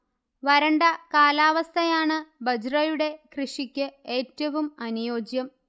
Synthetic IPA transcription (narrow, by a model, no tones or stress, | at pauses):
ʋɐɾɐɳɖɐkaːlaːʋɐst̪ʰɐjaːɳɨbɐd͡ʑrɐjuɽe̞krɨʂikʲːɨe̞ːtːɐʋumɐnujo̞ːd͡ʑjɐm